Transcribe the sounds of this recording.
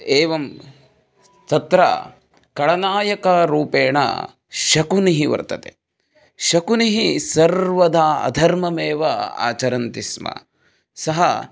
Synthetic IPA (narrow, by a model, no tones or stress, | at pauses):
eːʋɐm | t̪ɐt̪ɾɐ̰ | kɐɭɐnaːjɐkɐɾuːpeːɳɐ̰ | ʃɐkuniɦiʋɐ̰ɾt̪ɐt̪e | ʃɐkuniɦisɐɾʋɐd̪aːɐ̰d̪ʱɐɾmɐmeːʋɐa̰ːt͡ʃɐɾɐnt̪ismɐ̰ | sɐɦɐ